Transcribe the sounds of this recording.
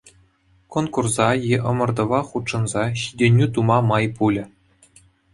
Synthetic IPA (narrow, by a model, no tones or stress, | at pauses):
konkurzɑjeʔɤ̆mɤ̆rd̪ɤ̆ʋɑχut̪ʂɤ̆nzɑɕid̪ʲenʲːyt̪umɑmɑjpulʲɘ̆